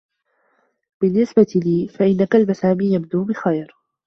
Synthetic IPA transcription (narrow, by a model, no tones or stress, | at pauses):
b̥ɪnːɪsbat̪ɪliːfaʔɪnːakalbasaːmiːjab̚d̪uːbɪxajɾ